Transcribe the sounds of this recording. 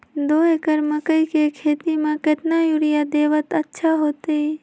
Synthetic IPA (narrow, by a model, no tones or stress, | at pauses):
d̪oːekəɾməkəikekʰeːt̪imẽket̪najuɾɪjad̪eːʋət̪ətːʃʰaɦoːt̪ei